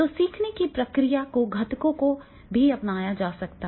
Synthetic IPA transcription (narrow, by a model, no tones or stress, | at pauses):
t̪osiːkʰnekipɾɐkɾijakoɡʱɐt̪kõko | bʱiɐpnaːjad͡ʒaːsɐkt̪a